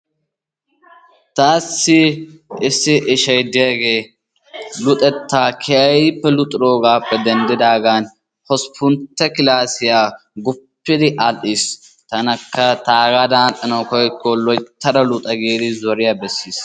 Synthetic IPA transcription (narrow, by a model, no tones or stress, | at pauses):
t̪aːsːɪɪsːɪʔɪʃɐjd̪ɪjɐɡe̞ː | lʊt̪ʼɛt̪ʰːaːkʰɛɐjpːɛlʊt̪ʼɪɾoːɡaːpːɛd̪ɛnd̪ɪd̪aːɡaːn | hɔspʰʊnt̪ːɛkɪlaːsɪjaː | ɡʊpːɪd̪ɪʔɐlʔis | t̪ɐnɐkːɐt̪aːɡad̪aːtɐnɐwkɔjkːɔlɔjt̪ːɐd̪ɐlʊt̪ʼɐɡeːd̪ɪzɔɾɪjabɛsːiːs